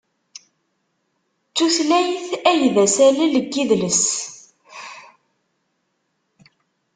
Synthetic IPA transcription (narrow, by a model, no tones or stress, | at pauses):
t͡sːuθlæjθæjðæsæliləɡːiðləs